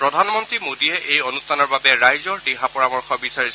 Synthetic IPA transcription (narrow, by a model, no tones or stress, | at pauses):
pɹɔdʱanmɔntɹimodiɛʔejonustʰanɔɹbabɛɹajzɔɹdiɦapɔɹamɔɹxʰɔbisaɹisɛ